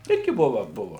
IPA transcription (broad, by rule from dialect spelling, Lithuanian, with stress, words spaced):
ˈɪrʲɡʲɪ ˈbʊʋɐ ˈbʊʋɐ